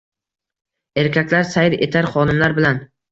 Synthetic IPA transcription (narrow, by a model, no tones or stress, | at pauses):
e̞ɾkʲʰakʲlaɾsajɪɾet̪ʰaɾχɒnɪmlaɾbɪlan